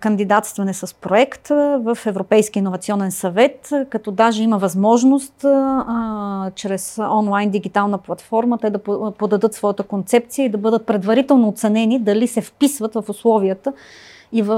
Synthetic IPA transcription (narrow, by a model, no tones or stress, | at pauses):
kənd̪id̪at̪st̪vɐnɛsɐspɾoɛkt̪vəfɛvɾopɛjskʲiːnːovɐt̪siɔnɛnsɐvɛt̪kɐt̪ɔd̪aʒɛiməvɐzmɔʒnost̪ | t͡ʃɾɛsɔnlˠajnd̪iɡ̟it̪alˠnəplˠɐt̪fɔɾmət̪ɛd̪ɐppod̪ɐd̪ɤt̪svɔjət̪əkont̪sɛp̚t̪sijəid̪ɐbɤd̪ət̪̚pɾɛd̪vɐɾit̪ɛlˠnoːt̪sɛnɛnid̪ɐlisɛfpisvət̪vɐfʊslˠɔviət̪ə | ivə